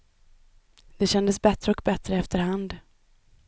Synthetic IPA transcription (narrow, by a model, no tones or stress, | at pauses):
d̪ɛɕɛnd̪əsbɛt̪ɾəɔkbɛt̪ɾəɛft̪əɾhand̪